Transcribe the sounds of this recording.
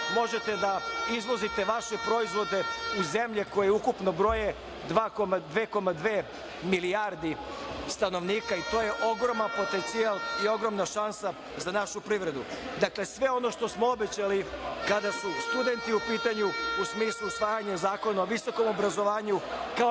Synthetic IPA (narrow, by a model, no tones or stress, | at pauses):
mo̞ʒe̞t̪e̞d̪aizlo̞zit̪e̞ʋaʃepɾo̞izʋo̞d̪e̞uze̞mʎeko̞jeukupno̞bɾo̞je | d̪ʋaːkomad̪ʋeːko̞mad̪ʋeː | miliaɾd̪i | st̪ano̞ʋniːkait̪oːje̞ʔo̞ɡɾo̞manpo̞t̪e̞nt̪sialˠio̞ɡɾo̞mnaʃansa | zanaʃupɾiʋɾe̞d̪ud̪akle̞sʋe̞o̞no̞ʃt̪o̞smoobe̞t͡ɕalikad̪asust̪ud̪e̞nt̪iupiːt̪aɲuusmiːslˠusʋaːjaɲazaːko̞naoʋiso̞ko̞mo̞bɾazo̞ʋaːɲuka